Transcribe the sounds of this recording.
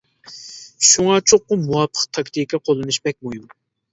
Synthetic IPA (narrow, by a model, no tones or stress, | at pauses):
ʃuŋɑt͡ʃʰoqːʊmuwɑpʰːə̥qt̪ʰɑkʲt̪ʰikʰʲɛqʰolˠɨnɨʃbɛk̚ʲmujum